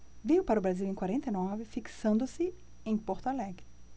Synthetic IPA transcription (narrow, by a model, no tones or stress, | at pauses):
vejʊpaɾɐʊbɾaziwẽj̃kwaɾẽnt̪ɐjnɔvɪfiksɐ̃nd̪ʊsɪ | ẽj̃poɾt̪alɛɡɪ